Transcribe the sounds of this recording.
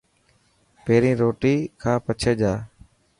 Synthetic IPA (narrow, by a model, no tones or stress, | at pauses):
peːɾĩːɾoːʈiːkʰãːpət͡ʃʰeːd͡ʒaː